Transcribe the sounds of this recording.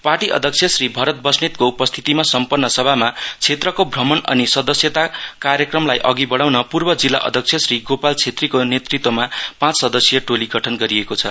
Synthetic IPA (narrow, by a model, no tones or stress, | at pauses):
parʈiʔʌ̰d̪ʱʌk̚t͡sʰjʌsribʱʌɾʌt̪̚bʌsnet̪̚koupʌst̪ʰi̥t̪imasʌmpʌnːʌsʌbʱamat͡sʰet̪rʌkobʱrʌmʌnʌ̰nisʌd̪ʌsjʌt̪akaɾjʌkrʌmlajʔʌɡibʌɽawnʌpurbʌd͡zilːa̰ʔʌ̰d̪ʱʌk̚t͡sʰjʌsriɡopalt͡sʰet̪rikonet̪rit̪wʌmapãt͡ssʌd̪ʌsjʌʈoliɡʱʌʈʰʌnɡʌɾiekot͡sʰʌ̰